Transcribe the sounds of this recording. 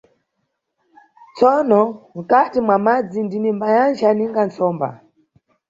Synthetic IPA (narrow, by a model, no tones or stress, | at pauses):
t͡sɔnɔm̩katimwamad͡zindinimbajand͡ʒaniŋɡant͡sɔːmba̰